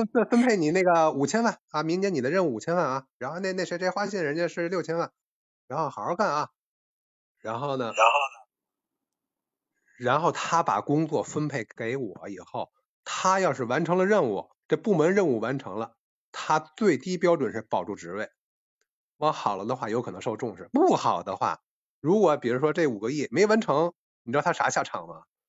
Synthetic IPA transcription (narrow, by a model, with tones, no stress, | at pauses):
ə˥t͡s̩˥˩fə˥npʰe˥˩ɪni˨˩ne˥˩ɡə˩u˨˩t͡ɕʰjɛ˥nwa˥˩nɐ˥˧mi˧˥ŋt͡ɕʰjɛ˧˥n˨˩d̪ə˦ɻə˥˧nu˥˩˨t͡ɕʰjɛ˥nwa˥˩nɐ˧˩ɻa˧˥nxo˥˧ne˥˧ɪne˥˩ɕɛ˧˥ʈ͡ʂe˥˧˥xwa˥ɕ̬jɛ˥˩nɻə˧˥nt͡ɕɛ˥˧ʂɻ̩˥˧ljo˥˩ʊt͡ɕʰjɛ˥nwa˥˩n | ɻa˧˥nxo˥˩ʊxɑ˨˩ə˥˧ka˥˩nɐ˧ | ɻa˧˥nxo˥˩ʊnə˩ɻa˧˥nxo˥˩ʊ˩ | ɻa˧˥nxo˥˩ʊt̪ʰa˥pa̰˨˩kʊ˥ŋt͡swɔ˥˩fə˥npʰe˥˩ɪke˧˥ɪwɔ̰˨˩˦i˨˩xo˥˩ʊ | t̪ʰa˥jɑ˥˧ʊʂɻ̩˥˩wa˧˥nʈ͡ʂʰɤ˧˥ŋd̪ə˧ɻə˥˧nu˨˩ | ʈ͡ʂɤ˥˧pu˥˩mə˧˥nɻə˥˧nu˥˩wa˧˥nʈ͡ʂʰɤ˧˥ŋlə˧ | t̪ʰa˥t͡swe˥˩ɪt̪i˥pjɑ˥ʊʈ͡ʂwə˨˩nʂɻ̩˥˩pɑ˨˩ʊʈ͡ʂu˥˩ʈ͡ʂɻ̩˧˥we˥˩ɪ | wɑ˧˥˩xɑ˨˩ʊlə˦d̪ə˧xwa˥˩jo˧˥kʰnɤ˧˥ŋʂo˥˧ʊʈ͡ʂʊ˥˧ŋʂɻ̩˥˩pu˥˩xɑ˨˩ʊd̪ə˦xwa̰˥˩ | ɻu˧˥kwɔ˧˥pi˨˩ɻu˧˥ʂwɔ˥ʈ͡ʂe˥˩u˨˩ɡə˦ji˥˩me˧˥o˩˧wa˧˥nʈ͡ʂʰɤ˧˥ŋ | ni˨˩ɻʰʂa˧˥ɕja˥˩ʈ͡ʂʰɑ̰˨˩ŋmɐ̰˦